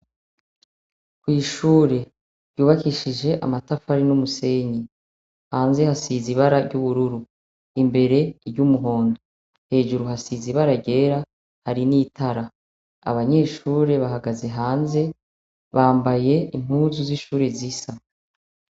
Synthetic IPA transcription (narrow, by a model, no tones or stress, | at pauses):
kwiːʃuːɾe̞ | ɾɟjuːβakiʃid͡ʒe̞ʔa̰matafaɾinumuse̞ːɲi | haːnze̞hasiziβaɾaɾɟuβuɾuɾu | imbe̞ɾe̞iɾɟumuɦo̞ːndo | he̞ːʒuɾuhasiziβaɾaɾɟe̞ːɾa | haɾiniːtʰaɾa | a̰βaɲe̞ːʃuːɾe̞βaɦaɡaze̞ɦaːnze̞ | βaːmbaje̞iŋ̥huːzuziʃuːɾezisa